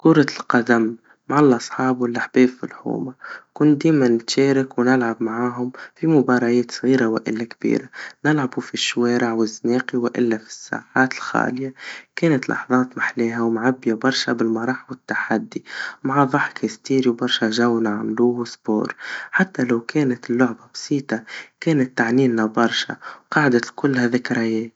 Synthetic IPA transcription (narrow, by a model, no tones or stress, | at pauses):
kuːɾˤɑlqad̪amː | aʕalːɑsˤħɑːbulːaħbeːbfḭlħṵːmakʊnd̪eːmanɪt̪ʃeːɾɪkwnɪlʕabmaʕaːɦʊmfimʊbɑːɾˤɑjeːt̪sˤɣiːɾawɪʔɪ̰lːakbḭːɾanɪlʕabufiʃːweːɾɪʕwɪzːneːqiwɪʔɪ̰lːafi̥sːa̰ːʕaːt̪ɪlxa̰ːlɪjakeːnat̪lʔɑ̰ħðˤɑːt̪maħleːɦawmʕabːɪjabɑɾˤʃabɪlmɑɾˤɑːħwɪt̪ːaħad̪ːimaʕaðˤɑħkʰast̪iːɾiwbɑɾˤʃaʒawnaʕmluːsbo̰ːɾˤħat̪ːalawkʰeːnat̪ɪlːʊʕbabɑsˤiːt̪ɑkeːnat̪ːaʕniːnːabɑɾˤʃa̰wqɑːʕd̪akʊlːhaðɪkɾˤajeː